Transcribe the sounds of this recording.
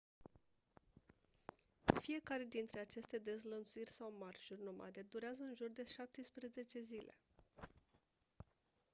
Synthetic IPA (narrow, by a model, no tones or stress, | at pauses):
fije̞kaɾe̞d̪int̪ɾe̞at͡ʃe̞st̪e̞d̪e̞zlənt̪suirʲsawmarʒurʲnoma̰d̪e̞d̪uɾeazəɨnʒurd̪e̞ʃap̚t̪əspɾeze̞t͡ʃe̞zile̞̰